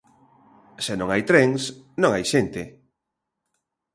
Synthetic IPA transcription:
senõŋajt̪ɾɛŋsnõŋajʃɛnt̪ɪ

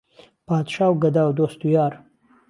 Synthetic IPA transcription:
pɑːd̪ʃɑːwɡad̪awd̪ost̪ujɑːɾ

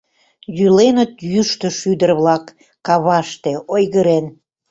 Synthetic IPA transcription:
jylenət̪jyʃt̪ə̆ʃyd̪ərβlɑkː | ɑβɑʃt̪eojɣəɾen

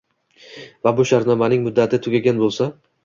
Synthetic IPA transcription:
vabʊʃaɾt̪nɒmanɪŋmʊd̪ːat̪ʰɪt̪ʰʊɡʲaɡʲanbolˠsa

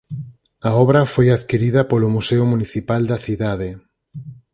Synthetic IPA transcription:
aɔβɾafojaðkiɾiðɐpolomuseʊmuniθipald̪aθiðað̞e

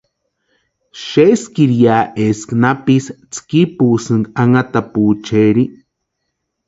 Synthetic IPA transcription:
ʃeskiɾjaːʔesknapist͡skipuːsɨŋkaŋat̪apuːt͡ʃeɾi

